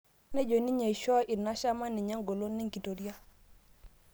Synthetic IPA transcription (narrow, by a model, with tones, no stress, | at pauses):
ne˦d͡ʒo˨ni˦ɲe˨i˨ʃɔ˦ʔi˨na˦ʃa˦ma˦nːi˨ɲa˦ŋɡo˨lo˦nːi˦ŋki˨to˨ɾi˦a˦